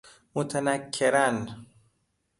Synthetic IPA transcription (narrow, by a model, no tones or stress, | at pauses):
mot̪ʰanækʰːeɾan